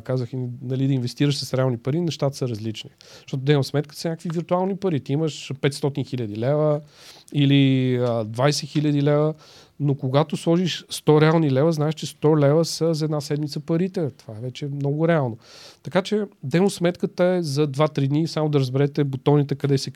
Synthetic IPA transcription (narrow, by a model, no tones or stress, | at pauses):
kazəxiinɐlid̪əinvɛst̪iɾəʃsəsɾɛalˠnipɐɾinɛʃt̪at̪ə̥səɾɐzlit͡ʃniʃt̪ɔt̪ʊd̪ɛmosmɛt̪kə̥sənʲakəkviviɾt̪ualˠnipɐɾit̪iiməʃpɛt̪st̪ɔt̪inxilʲəd̪ilɛvə | iliəd̪vajsɛxilʲəd̪ilɛvə | nokoɡat̪oslˠɔʒiʃst̪ɔɾɛalˠnilɛvəznaɛʃt͡ʃɛst̪ɔlɛvəsəzɛd̪nasɛd̪mit̪səpɐɾit̪ɛt̪ovaɛvɛt͡ʃɛmnɔɡʊɾɛalˠnot̪ɐkat͡ʃɛd̪ɛmosmɛt̪kət̪əɛzɐd̪vat̪ɾid̪nisamod̪ɐɾəzbɛɾɛt̪ɛbot̪ɔnit̪ɛkɐd̪ɛsɛ